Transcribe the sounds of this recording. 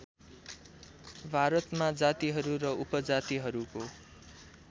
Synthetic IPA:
bʱaɾʌt̪mad͡zat̪iɦʌɾuɾʌupʌd͡zat̪iɦʌɾuko

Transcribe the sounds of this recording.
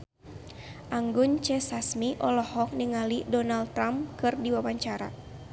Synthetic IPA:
ʔaŋɡʊnt͡ʃɛsasmiʔɔlɔhɔk̚niŋalidɔnalt̪ɾamkɨrdiwawaɲt͡ʃaɾa̰

